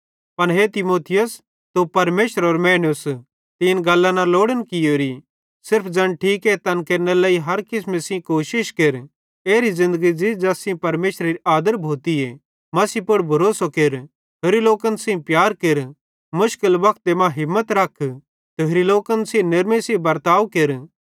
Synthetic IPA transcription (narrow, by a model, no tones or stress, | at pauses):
pɐɽɦet̪ɪmoːt̪ʰɪjəs | t̪opɐɾmeːʃəɾɔːɾmɛːnʊs | t̪ɪːnɡɐlːãnaloːɽənkɪjoːɾi | sɪɾpʰd͡zɐnʈʰiːket̪ɐnkeːɾnelaːiɦɐɾkɪsmẽsɪ̃koːʃɪʃkeɾ | eːɾizɪ̃nd̪əɡid͡ʒɪd͡ʒɐsĩpɐɾmeːʃɾeɾiaːd̪əɾbʱoːt̪ie | mɐsiːpʊɽbʱɐɾoːsokeɾ | ɦoɾiloːkənsɪ̃pjaːɾkeɾ | mʊʃkɪlbɐkʰt̪emãɦɪmːət̪ɾɐkʰ | t̪eɦɾiloːkənsẽnɪɾmẽsibɐɾt̪aːʋkeɾ